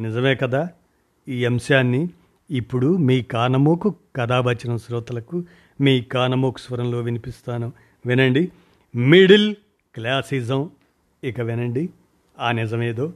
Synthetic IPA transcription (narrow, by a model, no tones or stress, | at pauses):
nizɐmeːkɐd̪aː | iːɐmsaːnːiː | pːuɽumiːkaːnɐmoːkukɐd̪aːbʱɐt͡ʃɐnɐmsɾɔːt̪ɐlɐku | miːkaːnɐmoːku̥sʋɐɾɐmlo̞ːʋinipist̪aːnu | ʋinɐɳɖi | miɽil | klaːsiːzɐm | ikɐʋinɐɳɖi | aːnizɐmeːd̪o̞ː